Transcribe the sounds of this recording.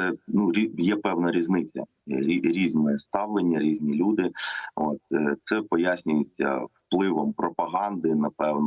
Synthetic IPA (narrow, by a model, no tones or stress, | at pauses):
sɛnuɾʲijɛpɛwnɐɾʲiznɪt͡sʲːɐ̰ | ɾʲiɾʲiznɔjɛst̪ɑʋlˠenʲːɐɾʲizʲnʲilʲud̪ɪo̰t̪t̪sɛpɔjasʲnʲʊjɪt͡sʲːɐ̰wplˠɪʋɔmpɾɔpɐɦɑnd̪ɪnɐpɛwnɔ